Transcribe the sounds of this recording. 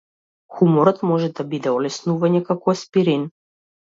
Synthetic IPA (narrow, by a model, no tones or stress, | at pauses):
xumɔɾɔt̪mɔʒɛd̪abid̪ɛɔlɛsnuvaɲɛkakɔɛspiɾin